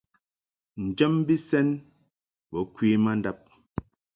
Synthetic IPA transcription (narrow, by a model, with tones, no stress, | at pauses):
n̩˨d͡ʒə˦mbi˦sɛ˦n | bɔ˨˦kwiː˦ma˦n˦da˦p̚